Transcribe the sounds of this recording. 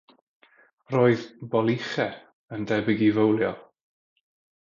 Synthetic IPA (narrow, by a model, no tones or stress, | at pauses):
roːɨðbɔlˠɪχɛ | əndɛbɪɡivəwlˠjɔ